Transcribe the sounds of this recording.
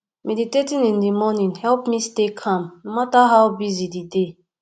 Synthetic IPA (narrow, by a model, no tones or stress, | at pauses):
meditetĩnĩndimɔnĩnhɛlˠpmistekʰãmnomataɦaʊbizidide